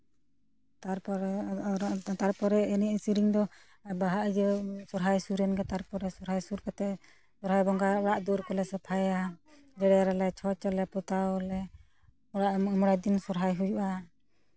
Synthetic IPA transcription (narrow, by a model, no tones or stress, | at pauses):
t̪aɾpɔɾ | t̪aɾpɔɾɛɛniisiɾiŋd̪ɔ | abaɦaʔd͡ʒɔsɔɾɦajsuɾɛnkat̪aɾpɔɾɛsɔɾɦajsuɾkat̪ɛʔ | sɔɾɦajbɔŋɡaɔɽaʔd̪uɾkɔlɛsapʰaja | d͡ʒɛɽɛɾalɛt͡ʃʰɔt͡ʃɔlɛpɔt̪aɔlɛ | ɔɽaʔmɔɽajd̪insɔɾɦajɦujuʔa